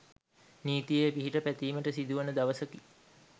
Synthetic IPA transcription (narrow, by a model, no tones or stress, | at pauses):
niːt̪ijəjpiɦiʈəpæt̪iːməʈəsid̪uʋənəd̪aʋəsəki